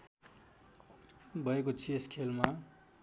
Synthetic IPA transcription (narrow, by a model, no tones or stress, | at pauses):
bʱʌekot͡sʰieskʰelma